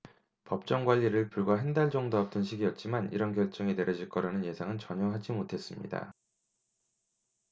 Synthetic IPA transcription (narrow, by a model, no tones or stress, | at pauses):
pʌp̚t͡ɕ͈ʌŋɡwaʎːiɾɯɭpuɭɡwaɦendaɭt͡ɕʌŋdoap̚t͈ʌnɕʰiɡiʌt̚t͡ɕ͈imanḭɾʌnkjʌɭt͡ɕ͈ʌŋeneɾjʌd͡ʑiɭk͈ʌɾanɯnje̞sʰaŋɯnt͡ɕʌɲʌɦad͡ʑimotʰe̞s͈ɯmɲḭda̰